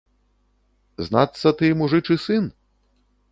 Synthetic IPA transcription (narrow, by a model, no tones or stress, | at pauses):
znat̪sːɐt̪ɨjmuʐɨt͡ʂɨsɨn